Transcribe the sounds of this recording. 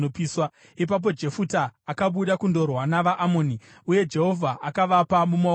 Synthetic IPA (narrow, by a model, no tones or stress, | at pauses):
opiːswa | ip̬ap̬o̞d͡ʒe̞futaːkaɓuɗakundo̞rwanaʋaʔamoːni | uje̞d͡ʒe̞ɦo̞vʱaʔakaʋapamuma